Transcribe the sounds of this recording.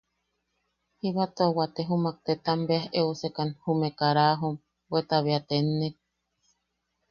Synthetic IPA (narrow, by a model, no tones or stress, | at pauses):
hiβat̪oowat̪eɦumak̚t̪et̪ambeaheosekanhumekaɾaɦom | wet̪aβeat̪enːek̚